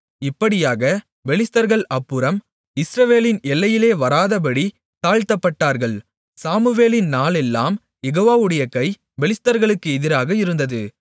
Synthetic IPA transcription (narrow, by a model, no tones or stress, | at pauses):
ɪpːɐɽɪjaːɣɐ | ʋɛɭɪst̪ɐɾɣɐɭɐpːɯɾɐm | ɪsɾɐʋeːlɪnɛlːɐjɪleːʋɐɾaːðɐp̬ɐɽi | t̪aːɻt̪ɐpːɐʈːaːɾɣɐɭ | saːmɯʋeːlɪnnaːlɛlːaːm | jɛɣoːʋaːʋɯɽɐjɐkɐɪ | ʋɛɭɪst̪ɐɾɣɐɭɯkːɯɛðɪɾaːɣɐɪɾɯnd̪ɐðɯ